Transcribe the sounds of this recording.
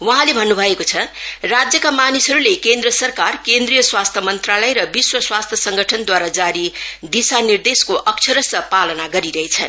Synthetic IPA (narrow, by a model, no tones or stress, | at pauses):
wʌɦãlebʱʌnːubʱʌekot͡sʰʌrad͡zjʌkamanisʌɾulekend̪rʌsʌrkarkend̪rijʌswast̪ʰʌmʌnt̪ralʌjɾʌbiswʌswast̪ʰjʌsʌŋɡʱʌʈʰʌnd̪waɾad͡zaɾid̪isanird̪eskoʔʌkt͡sʰʌɾʌsʌpalʌnaɡʌɾiɾʌɦet͡sʰʌn